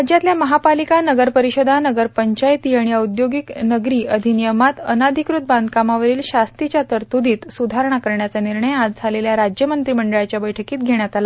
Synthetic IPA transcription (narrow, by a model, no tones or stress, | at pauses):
ad͡ʑjat̪ljaməɦapalikanəɡəɾpəɾiɕəd̪ʱanəɡəɾpəɲt͡ɕajt̪iːaɽ̃ijaud̪joɡiknəɡɾiːəd̪ʱinijəmat̪ə̰nad̪ʱikɾut̪̚band̪̚kamaʋəɾiːlɕast̪it͡ɕjat̪əɾt̪ud̪iːt̪sud̪ʱaɾɳ̃akəɾɳjat͡saniɾɳəjad͡zd͡zʱaleljaɾad͡ʑjəmənt̪ɾiːməɳɖəɭjat͡ɕjabəjʈʰəkiːt̪̚ɡʱeɽ̃jat̪ala